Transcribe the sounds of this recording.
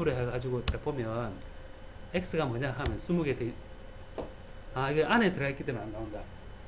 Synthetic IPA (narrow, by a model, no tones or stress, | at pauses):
uɾɯɦaɡad͡ʑiɡot͈ːapʌmjʌn | ek̚sɯɡamʌɲaɦamjʌnsumuɡet̪e | aiɡeʔanet̪ɯɾaekːid̪eandaunda